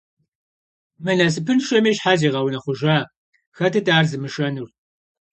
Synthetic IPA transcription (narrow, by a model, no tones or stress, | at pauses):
mɨnas̬ɨpʰɨnʃɐmiːʃħaːziːʁɐwnɐχʷʊʒaː | xɐtʰɨtʰʼaːrzɨmɨʃɐnur